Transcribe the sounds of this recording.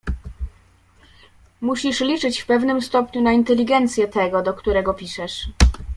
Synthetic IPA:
muɕiʂlʲit͡ʂɘt͡ɕfpɛvnɘmst̪ɔpɲunaint̪ɛlʲiɡɛnt̪sʲjɛt̪ɛɡɔd̪ɔkt̪uɾɛɡɔpʲiʂɛʂ

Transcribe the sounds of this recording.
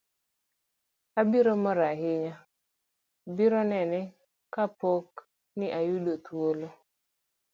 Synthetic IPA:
abiɾomɔɾaɦɪɲa | biɾɔnɛnɛ | kapok | nɪʔajudot̪wolo

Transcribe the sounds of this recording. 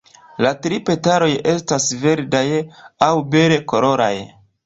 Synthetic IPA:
latɾipe̞taɾo̞je̞stasve̞ɾdajawbe̞leko̞lo̞ɾa̰j

